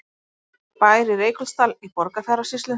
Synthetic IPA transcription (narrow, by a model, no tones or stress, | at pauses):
paːjɾɪrejklst̪alipɔɾkaθɛɾasist̪lʏ